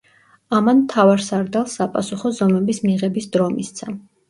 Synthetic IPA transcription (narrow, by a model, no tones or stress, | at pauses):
amanmt̪ʰavaɾsaɾd̪alˠsːapʼasuχɔzɔmɛbismiʁɛbisd̪ɾɔmist̪sʰa